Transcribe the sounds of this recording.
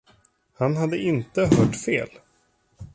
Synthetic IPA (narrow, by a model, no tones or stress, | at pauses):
hanɦad̪ːəʔɪnt̪əɦœːʈfeːl